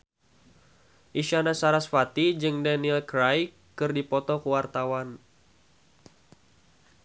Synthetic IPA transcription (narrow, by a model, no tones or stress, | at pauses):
ʔiʃanasaɾasfat̪id͡ʒɨŋdaniɛlkɾaj | kɨrdipɔt̪ɔkuwart̪awan